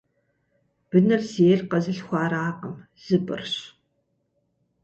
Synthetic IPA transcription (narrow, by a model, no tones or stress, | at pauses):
b̥ɨnɨrzeːrqɐzɨɬxʷaːɾaːqəm | z̥ɨbɨ̰rɕ